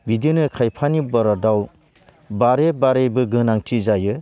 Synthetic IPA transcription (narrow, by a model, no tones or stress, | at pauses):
bidinɯkʰajpʰanibɔɾadaw | baɾebaɾebɯɡɯnaŋtʰizajɯ